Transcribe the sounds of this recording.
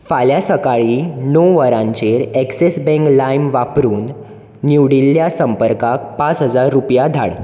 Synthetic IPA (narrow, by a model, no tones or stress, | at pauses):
faljasəkaɭiːnoʋəɾãɲt͡ɕeɾɛksesbɛ̃ŋklajmʋapɾuːnː | uʋɽilːjasəmpəɾkak̚pat͡sɦəd͡zaɾːupjad̪ʱa̰ɽ